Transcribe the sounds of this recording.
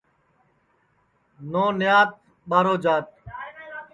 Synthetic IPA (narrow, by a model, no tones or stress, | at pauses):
noːnɪjaːt̪̚ | ɓaːɾoːd͡ʒaːt̪̚